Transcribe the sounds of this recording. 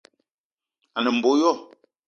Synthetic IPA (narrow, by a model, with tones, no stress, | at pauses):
a˨nə˨m̩˨bo˨˦jɔ˦˨